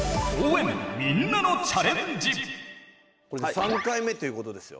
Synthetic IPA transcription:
owenminːanot͡ɕʰaɾend͡ʑip | koɾesãŋkaime̞t̪o̞jɯ̟ko̞t̪o̞d̪e̞sɨjo̰

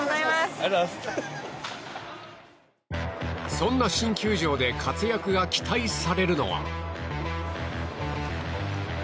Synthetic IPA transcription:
sõ̞nːaɕĩŋkʲɨːʑo̞ːd̪e̞kʰat͡sɨjakɯ̟ɡakʲi̥t̪aisaɾe̞ɾɯ̟no̞̰βa̰

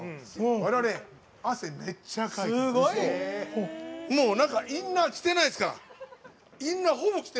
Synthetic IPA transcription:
βaɾe̞βaɾe | aseme̞t͡ɕːakaiɡo | moːnãŋkaʔĩnːakʲi̥t̪e̞naiesɨ̥kaɾa̰ | ĩnːaɦobo̞kʲi̥t̪e

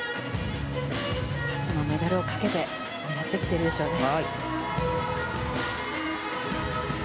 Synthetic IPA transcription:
kḁt͡sɨno̞me̞d̪aɾɯo̞kḁke̞t̪e̞ | minat̪ːe̞kʲi̥t̪eɾɯeɕoːk̪aɡoɾ

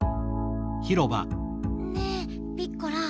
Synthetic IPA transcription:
çiɾoba̰ | ne | pʲikːoɾa

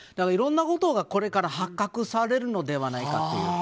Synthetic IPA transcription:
d̪akaɾiɾõ̞nːako̞t̪o̞ɡako̞ɾe̞kaɾahakːakɯ̟saɾe̞ɾɯ̟no̞d̪e̞β̞anaika̰t̪ːḛjɯ̰

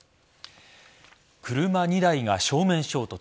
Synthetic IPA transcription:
kɯ̟ɾɯ̟maɲ̟id̪aiɡaɕo̞ːmẽ̞ɰ̃ɕo̞ːt̪o̞

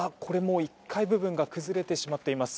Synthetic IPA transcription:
akʰo̞ɾe̞mo̞ːikʰːaibɯ̟bɯ̟̃ŋɡakɯ̟zɨɾe̞t̪e̞ɕimat̪ːe̞imasɨ̥

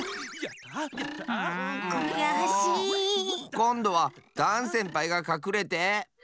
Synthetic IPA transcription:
oiɡaɦaɕi | kõ̞nd̪o̞βad̪̥ãɰ̃sẽmpaiɡakakɯ̟ɾe̞t̪e̞

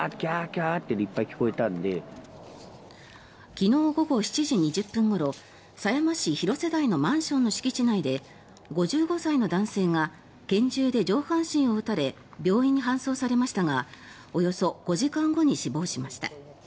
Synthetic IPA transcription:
akʲakʲaːt̪ːeneipːaikʲi̥ko̞et̪ãnd̪e̞ | kʲino̞ːɡo̞ɡo̞ɕi̥t͡ɕiʑiɲ̟iʑɨpːɯ̟̃ŋɡo̞ɾo̞ | sajamaɕiçiɾo̞se̞d̪aino̞mãɰ̃ɕõ̞nːo̞ɕi̥kʲit͡ɕinaid̪e̞ | ɡo̞ʑɨːɡo̞saino̞d̪ãɰ̃se̞ːŋa | ɡ̥ẽ̞ɲ̟d͡ʑɨːd̪e̞d͡ʑo̞ːhãɰ̃ɕĩɰ̃o̞ɯ̟t̪aɾe̞ | bʲo̞ːĩɲ̟ːiɦãɰ̃so̞ːsaɾe̞maɕi̥t̪aŋa | o̞jo̞so̞ɡ̥o̞ʑikãŋɡo̞ɲ̟iɕibo̞ːɕimaɕi̥t̪a̰

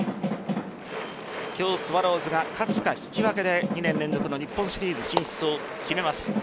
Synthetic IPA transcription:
kʲo̞ːsɨβaɾo̞ːzɨɡakʰat͡sɨ̥kaçi̥kʲiβake̞d̪e̞ɲ̟inẽnːẽ̞nd͡zo̞kɯno̞ɲipːõɰ̃ɕiɾʲiːzɨɕĩɲ̃ɕi̥t͡sɨo | kʲime̞masɨ̥

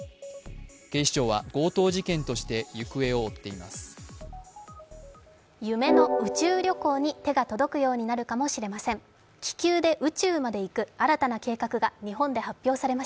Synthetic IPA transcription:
ɡ̥e̞ɕi̥t͡ɕo̞ːβa̰ɡ̥o̞ːt̪o̞ːʑikẽ̞nt̪o̞ɕi̥t̪e̞jɯ̟kɯ̟e̞o̞ːt̪ːe̞ima̰sɨ̥ | jɯ̟me̞no̞ɯ̟t͡ɕɨːɾʲo̞ko̞ːɲ̟it̪e̞ɡat̪o̞d̪o̞kɯ̟jo̞ːɲ̟inaɾɯ̟kamo̞ɕiɾe̞masẽ̞ŋ | kʲi̥kʲɨːd̪e̞ʔɯ̟t͡ɕɨːmad̪e̞ikɯ̟aɾat̪anake̞ːkakɯ̟ɡaɲ̟iɦõ̞nd̪e̞hapʲːjo̞ːsaɾe̞maɕa

